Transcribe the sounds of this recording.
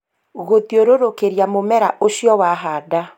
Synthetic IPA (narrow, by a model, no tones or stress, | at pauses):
ɣotioɾoɾokeɾjamomɛɾaʔoʃjɔwaɦada